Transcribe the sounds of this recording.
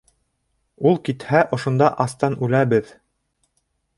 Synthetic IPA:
ulˠkit̪hæʔŏʃŏnd̪ɑʔɑst̪ɑnʉlæbɘð

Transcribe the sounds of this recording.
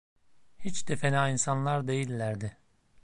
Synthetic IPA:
hit͡ʃd̪efenaːinsanlˠaɾd̪e̞jilʲːæɾd̪ɪ

